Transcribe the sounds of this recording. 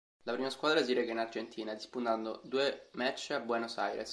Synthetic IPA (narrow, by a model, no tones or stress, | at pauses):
lapɾiːmaskwad̪ɾas̬iɾekainard͡ʒent̪ʰiːnad̪ispunt̪and̪od̪uemɛt͡ʃːabːwɛnosa̰jɾḛs